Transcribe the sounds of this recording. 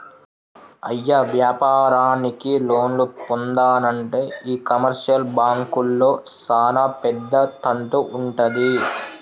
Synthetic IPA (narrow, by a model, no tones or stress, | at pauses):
ɐjːaʋjaːpaːɾaːnikilo̞ːnlup̪ond̪aːnɐɳʈe̞ːiːkɐmɐɾʂɐlbaːŋkulːo̞ːt͡ʃaːnaːpɛd̪ːɐt̪ɐɳʈuʔuɳʈɐd̪i